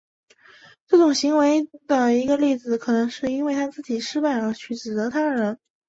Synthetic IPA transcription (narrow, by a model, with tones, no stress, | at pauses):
ʈ͡ʂɤ˥˩ʈ͡ʂʊ˨˩ŋɕi˧˥ŋwe˧˥ɪd̪ə˩i˧˥ɡə˧li˥˩d͡zɹ̩˨˩kʰɤ˨˩nɤ˧˥ŋʂɻ̩˥˩i˥nwe˥˩ɪt̪ʰa˥t͡sɹ̩˥˩t͡ɕi˨˩ʂɻ̩˥pa˥˩ɪlə˩t͡ɕʰy˨˩ʈ͡ʂɻ̩˨˩t͡s̪ɤ˧˥t̪ʰa˥d̪ə˨˩ɻə˧˥n